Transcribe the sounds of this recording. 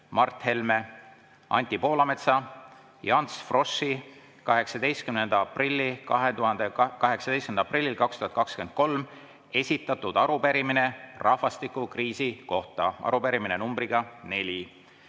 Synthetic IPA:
mɑrt̪ˑhe̞lme | ɑ̰nʲt̪ʲipo̞ːlɑmet̪sɑ | jɑnsfro̞sːi | kɑɦe̞ksɑd̪e̞jst̪̚kymnend̪̥ɑɑprilʲːikɑɦet̪uɦɑnd̪̥ekɑɦe̞ksɑd̪e̞jstkynd̪ɑɑprilʲːilkɑkst̪uhɑt̪̚kɑkskyend̪̚ko̞lm | e̞sʲit̪ːˑɑt̪ːud̪̥ɑɾupeɾimine̞rɑhvɑst̪ikˑukriːsiko̞ht̪ɑʔɑ̰ɾupeɾiminenumbriɡ̥ɑne̞lʲi

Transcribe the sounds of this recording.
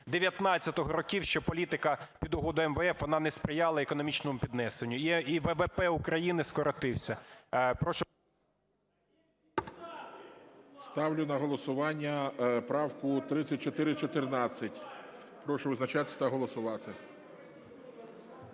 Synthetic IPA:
d̪eʋʲjɐt̪nɑt͡st͡sʲːɐt̪ɔɦɔɾɔkʲiwʃt͡ʃɔpɔlʲit̪ɪkɐpʲid̪ʊɦɔd̪ʊɛmʋɛɛfʋɔnɑnɛspɾɪjɑlˠɐekɔnɔmʲit͡ʃnɔmʊpʲid̪nɛsenʲːʊiʋɛʋɛpɛʊkɾɐjinɪskɔɾɔt̪ɪwsʲɐpɾɔʃɔ | st̪ɑwlʲʊnɐɦɔlˠɔsʊʋɑnʲːɐpɾɑwkʊt̪ɾɪt͡sʲːɐt̚ʲt͡ʃɔt̪ɪɾɪt͡ʃɔt̪ɪrnɑt͡sʲːɐtʲ | pɾɔʃʊʋɪznɐt͡ʃɑt̪ʲɐt̪ɐɦɔlˠɔsʊʋɑt̪ɪ

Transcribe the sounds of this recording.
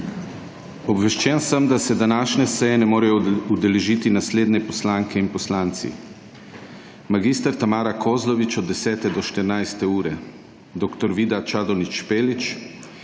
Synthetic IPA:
ɔbʋɛʃt͡ʃɛnsəmd̪asɛd̪anaːʃnɛsɛjɛnɛmoːɾɛjɔud̪ɛlɛʒiːt̪inasleːd̪nɛpɔslaːŋkʰɛinpɔslaːnt̪sḭ | maɡiːst̪əɾt̪amaːɾakʰoːzlɔʋit͡ʃɔd̪ːɛsɛːt̪ɛd̪ɔʃt̪əɾnajst̪ɛuːɾɛ | d̪okt̪ɔɾʋiːd̪at͡ʃaːd̪ɔnit͡ʃpeːlit͡ʃ

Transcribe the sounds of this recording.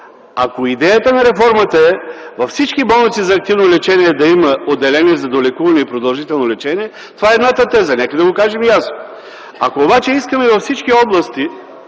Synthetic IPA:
akoid̪ɛjət̪ənɐɾɛfɔɾmət̪ɐɛvɐfsit͡ʃkibɔlˠnit̪sizɐːk̚t̪ivnolɛt͡ʃɛniɛd̪ɐimɐod̪ːɛlɛniɛzɐd̪olɛkuvɐnɛipɾod̪ɐlˠʒit̪ɛlˠnolɛt͡ʃɛniɛ | t̪ovaɛːd̪nat̪ɐt̪ɛzɐnɛkəd̪ɐɡokaʒɛmjasno | a̰koːbat͡ʃɛiskəmɛvɐfsit͡ʃkiɔblˠɐst̪i

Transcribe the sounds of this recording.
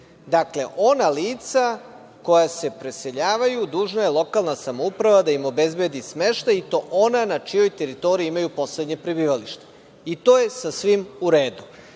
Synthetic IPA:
d̪akle̞ʔo̞naliːt̪sa | ko̞jase̞pɾe̞se̞ʎaːʋajud̪uːʒnaje̞lˠo̞kalˠnasamoupɾaʋad̪aimo̞be̞zbe̞d̪ismeʃt̪ajit̪o̞ːʔonanat͡ʃijo̞jt̪e̞ɾit̪o̞ɾiiimajupo̞sled̪ɲe̞pɾibiːʋaliʃt̪e̥ | it̪o̞ːjesasʋimuɾeːd̪u

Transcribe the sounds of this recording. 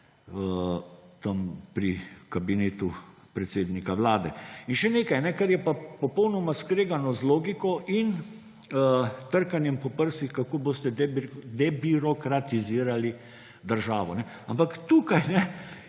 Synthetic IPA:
ət̪ampɾikabineːt̪u | pɾɛt̪seːd̪nikaʋlaːd̪ɛinʃɛneːkajnɛkɐɾjɛpapɔpəwnɔmaskɾeːɡanɔzloːɡikɔʔin | ət̪əɾkanjɛmpɔpəɾsixkakoːboːst̪ɛd̪ɛbiɾɔkɾat̪iziːɾali | d̪əɾʒaːʋɔnɛ | ampakt̪uːkajnɛ

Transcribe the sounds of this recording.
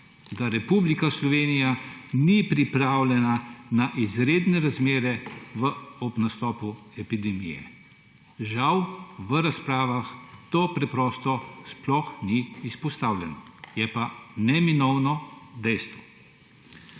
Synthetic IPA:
d̪aɾɛpublikaslɔʋeːnijanipɾipɾaːwlʲɛnanaʔizɾeːd̪nɛɾazmeːɾɛʋəɔbnast̪ɔːpuɛpid̪ɛmijɛ̰ | ʒawʋəɾaspɾaːʋaxt̪oːpɾɛpɾɔːst̪ɔsplɔxniːspɔst̪awlʲɛnɔjɛpanɛminɔwnɔd̪ɛjst̪ʋɔ

